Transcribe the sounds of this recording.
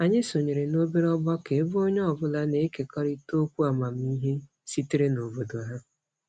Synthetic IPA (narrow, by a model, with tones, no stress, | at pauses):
a˨ɲɪ˦so˨ɲe˨ɾe˨no˦be˦ɾɔ˦bɔ˦ke˨˦bo˦ɲɔ˦ɔ˨bʊ˦la˦ne˨˦ke˨kɔ˦ɾi˦to˦kʷu˦a˨ma˨m̩˦i˦ɦe˦ | si˦ti˦ɾe˦no˨bo˨do˨˦ɦa˦